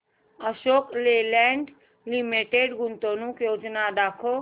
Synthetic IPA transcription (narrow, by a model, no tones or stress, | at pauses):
əʃoːklelɛɳɖ | limeʈeɖɡunt̪onũkjoːd͡ʒnad̪akʰo